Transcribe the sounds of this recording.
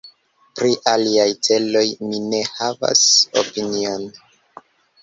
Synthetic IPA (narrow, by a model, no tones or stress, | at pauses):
pɾiʔaliajt͡se̞lo̞jmine̞hava̰so̞̰pinio̞n